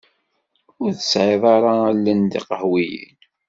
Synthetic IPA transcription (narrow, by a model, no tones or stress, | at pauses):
ʊɾθəsʕeðˤɑɾˤɑælːənd̪ḭqəhwijḭn